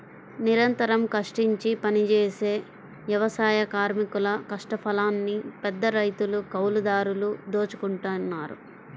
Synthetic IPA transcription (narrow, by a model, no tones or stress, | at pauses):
niɾɐnt̪ɐɾɐmkɐʂʈiɲt͡ʃipɐnit͡ʃeːse̞ː | ʋjɐʋɐsaːjɐkaːɾmikulɐkɐʂʈɐpʰɐlaːnːipɛd̪ːɐɾɐjt̪ulukɐwlud̪aːɾulud̪oːt͡ʃu̥kuɳʈunːaːɾṵ